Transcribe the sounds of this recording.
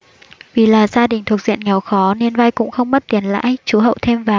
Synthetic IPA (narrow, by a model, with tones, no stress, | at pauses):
vi˨˩laː˨˩zaː˧ɗï˨˩ŋ̟t̪ʰu˨˩ək̚z̥ḭ˧˨ənŋɛ˨˩˦wxɔ˨˦ne˧nva˧jkʊ̰˧˥ŋ͡mxə˧wŋ͡mɓə˦˥t̚t̪i˨˦ənla̰ː˧˥jt͡ɕu˨˦ɦə̰˧˨wt̪ʰe˧mvaː˨˩